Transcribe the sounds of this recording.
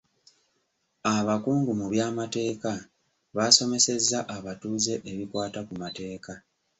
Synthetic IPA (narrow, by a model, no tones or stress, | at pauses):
aβakuːŋɡumuβjaːmate̞ːka | βaːso̞me̞se̞zːaʔaβatuːze̞ʔeβikwaːtakumate̞ːka